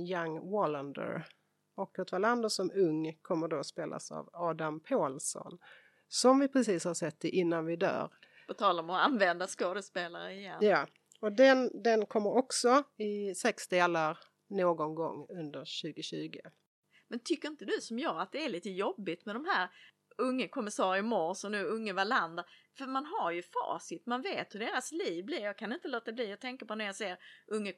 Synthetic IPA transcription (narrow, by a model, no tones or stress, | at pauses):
jaŋːvɔlənd̪ə̰ɾ | ɔkːɔt̪valand̪əsɔmɵŋːkʰɔmːəɖospeːlʔa̰sa̰vɑːd̪ampʰɑːlsɔ̰n | sɔmvɪpʰɾɛsiːshaʂɛt̪ːɪʔɪnːanvɪd̪œ̰ːɾ | b̥ɛt̪ʰɑːlaɾmɔanvɛnd̪askɑːd̪əspeːlaɾəɪjɛnjɑː | ɔd̪ɛnd̪ɛnkʰɔmːəɾɔksɔɪsɛksd̪eːlaɾ | noːɡɔnɡɔ̰ŋːɵnd̪əɾɕʉ̟ːɡʊɕʉ̟ːɡə | mɛnt̪ʰʏkːəɾɪnt̪əd̪ɵsɔmjɑːat̪̚d̪ɛæɭliːt̪əjɔbːɪt̪mɛd̪ɔmɦæːɾ | ɵŋːəkʰɔmːɪsɑːɾəəmɔɾsɔnʉːɵŋːəvaland̪əfœɾmanɦaɾjɵfɑ̰ːsɪt̪manveːt̪hɵɖeːɾasliːvblɪɾjɑːkʰanɪnt̪əloːt̪ːad̪ɛbliːjat̪ʰɛŋkəpɔnæɾjɑseːɾʔɵŋːə